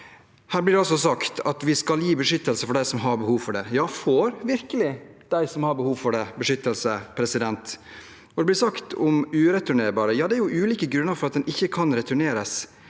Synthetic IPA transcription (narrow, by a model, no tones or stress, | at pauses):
hæːɾblɪɖɛɔs̬ɔsɑkt̪ʰɑt̪ʋɪskɑljiːbəʂʏt̪ːəlsəfɔɖæɪsɔmɦɑɾbəhuːʋfɔɖɛjɑːfoːɾʋɪɾkəlɪ | d̪̥æɪsɔmhɑɾbəhuːʋfɔɖɛbəʂʏt̪ːəlsəpʰɾɛsɪd̪ɛnt̪ | ɔd̪ɛblɪɾsɑkt̪ʰɔmʉːɾɛt̪ʉɳeːɾbɑːɾəjɑːd̪ɛæɾjʊʔʉːliːkəɡɾʉnːəɾfɔɾɑt̪̚d̪ɛnɪçːəkʰɑnɾɛt̪ʰʉɳeːɾəs